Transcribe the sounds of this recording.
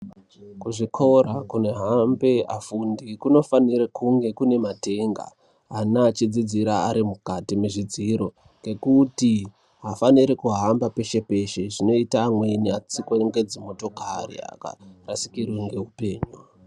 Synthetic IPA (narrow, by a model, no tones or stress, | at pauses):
kuʐikʰo̞rakune̞ɦambe̞afundikuno̞faniɾekuŋɡe̞kune̞mate̞ŋɡa̰ | anat͡ʃid͡zid͡ziɾaaɾimukatimeʐid͡ziɾo̞ | ŋɡe̞kuti | ɦafaniɾikuɦambape̞ʃe̞pe̞ʃe̞ʐino̞itaːmwe̞niat͡sikŋɡe̞d͡zimo̞to̞karḭa̰ka̰rasi̥kirweŋɡe̞ɦupe̞ːɲu